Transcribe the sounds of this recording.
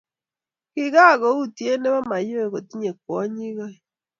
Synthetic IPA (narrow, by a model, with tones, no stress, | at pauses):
ki˦˨ɣa˦˨ɣo˨˦u˦tje˦ne˦βa˦ma˨jo˦e˨ɣo˨ti˦ɲe˨k̚wɔ˦ɲi˦ɣa˦i˨